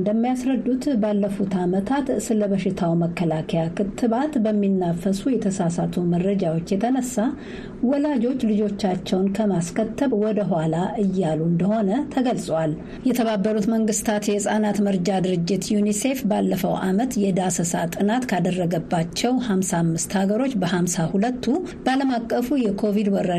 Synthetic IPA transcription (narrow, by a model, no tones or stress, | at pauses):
nd̪əmːijasɾəd̪ːut̪balːəfut̪amət̪ʰat̪sɨləβəʃɪt̪ʰawməkːəlakʰəjakʰɨt̪ʰːɨβat̪bəmːinːafːəsujɛt̪ʰəsasat̪ʰuməɾəd͡ʒawo̞t͡ʃːjɛt̪ʰənəsːa | wɔlad͡ʒo̞t͡ʃːlɨd͡ʒo̞t͡ʃːat͡ʃːɛwnkʰəmaskʰət̪ːəβwɔd̪əɦʷalaʔɨjːalund̪əho̞nət̪ʰəɡəlsʼwal | jɛt̪ʰəβabːəɾut̪məŋɡɨst̪ʰat̪jɛɨsʼanat̪məɾd͡ʒad̪ɨɾɨd͡ʒːɪt̪junise̞fbalːəfəwʔa̰mət̪jɛd̪asəsat̪ʼɨnat̪kʰad̪ərːəɡəbːat͡ʃːɛwhamsamːɨst̪haɡəɾo̞t͡ʃːbəhamsahulət̪ʰːu | bəaləmakʼːəfujɛkʰo̞vid̪wɔɾə